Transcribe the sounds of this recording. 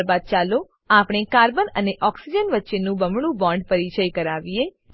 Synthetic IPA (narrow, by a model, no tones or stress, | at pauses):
ɾbad̪̚t͡ʃalo | apɽ̃ekaɾbənəneʔɔksid͡ʒənʋətːʃenũbəmɽ̃ũbɔ̃ɳɖpəɾit͡ʃəjkəɾaʋie